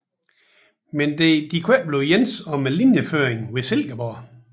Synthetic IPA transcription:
mend̥ed̥ikʰweɐb̥le̝ʊjensɒ̽melinjəføːeŋ̩ʋeselɡ̥ɐbɒ

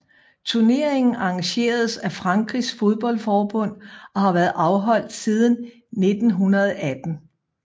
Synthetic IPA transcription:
t͡sʰuɐne̝ɐe̝ŋn̩ʔɑ̈ŋɕe̝̰ːɐð̞ˠsæfʁɑ̈ŋɡ̥ʁisfo̝ð̞ˠb̥ɒ̽l̰fɒːb̥ɔ̽n̰ʔɒ̽hɑ̈ʋæɐð̩ˠʔɑ̈ʊɦɒ̽l̰d̥sið̞ˠn̩ː | e̝d̥n̩ɦunɐð̞ˠæd̥n̩

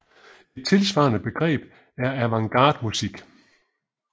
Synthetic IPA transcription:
e̝d̥̚t͡sʰe̝lsʋɑ̈ːnəb̥e̝ɡ̥ʁɛ̰ːb̥ | æɐæʋɑ̈ŋɡ̥ɑ̈ːd̥musiɡ̥

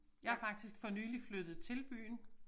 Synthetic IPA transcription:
jɑ̈ɪhɑfɑ̈ɡ̥̚d̥isɡ̥fɒ̽nyːliflød̥ð̩ˠt͡sʰe̝lb̥y̰ːn

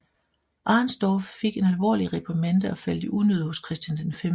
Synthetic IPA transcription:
ʔɑ̈nsd̥ɒːfːe̝ɡ̥e̝nælʋɒ̰ːliʁepʰɐmend̥əɒfæl̰d̥əʔunøð̞̰ˠho̽skʰʁɛsd̥jænd̥enfem

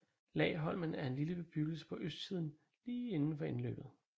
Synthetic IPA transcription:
lɛ̰ːɪɦɒ̽l̰mænæɐe̝nliləb̥eb̥yɡ̥əl̩sə̥pʰɒ̽ʔøsd̥̚t͡sʰið̞̰ˠn̩ | liːe̝nn̩fɒ̽e̝nlø̰ːb̥ð̩ˠ

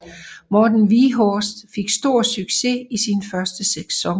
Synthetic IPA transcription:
mɒd̥n̩ʋiɦɒsd̥fe̝ɡ̥sd̥o̝ɐ̰syɡ̥se̝isinfɶɐsd̥əse̥sɒ̽ŋ

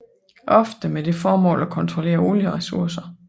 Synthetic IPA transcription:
ʔɒ̽fd̥əmed̥e̝fɒːmɔ̰̽ːlækʰɒ̽nt͡sʰʁole̝̰ːɐo̝ːljəʁɛsuɐsɐ

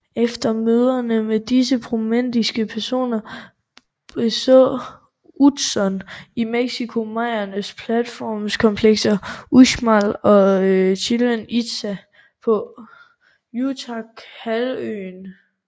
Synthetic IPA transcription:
efd̥ɐmøːð̞ˠɐnəmed̥isəpʰʁomen̰d̥isɡ̥əpʰæɐso̝̰ːnɐ | b̥esɔ̰ | ud̥sɒ̽nimeɡ̥sikʰo̝mɑ̈ɪ̰ɐnəspʰlæd̥fɒ̰ːmskʰɒ̽mpʰleɡ̥sɐʔuɕmɑlɒ̽øɕʰilənid̥sæ | pʰɒ̽ | jut͡sʰɑkhælø̰ːn

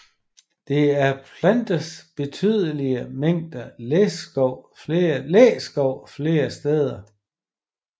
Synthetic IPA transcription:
d̥e̝æɐpʰlænd̥əsb̥e̝t͡sʰyð̞ˠəliəmeŋ̰d̥ɐlesɡ̥ɒʊ̰fleːɐleːsɡ̥ɒʊ̰fle̝ːɐsd̥eːð̞ˠɐ

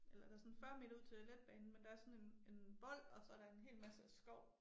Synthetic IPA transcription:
elɐd̥ɑ̈sɒ̽nfɶɐ̰meduð̞̰ˠt͡sʰe̥æled̥̚b̥ɛːnn̩mend̥ɑ̈æɐsɒ̽ne̝ne̝nb̥ɒ̽l̰̥ɒ̽sɒ̽æɐɾɑ̈e̝nɦe̝̰ːlmæsəæsɡ̥ɒʊ̰

